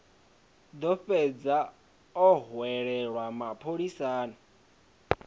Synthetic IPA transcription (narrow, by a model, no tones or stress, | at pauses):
d̪ɔɸɛd͡za | ɔɦwɛɺɛɺwamapʰoɺisaːnɔ